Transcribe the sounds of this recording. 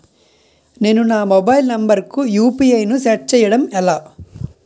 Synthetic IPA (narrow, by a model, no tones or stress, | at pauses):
neːnunaːmobɐjlnɐmbɐɾkujuːpiɐjnusɛːʈ̚t͡ʃɛːjːɐɽɐmɛlːɐ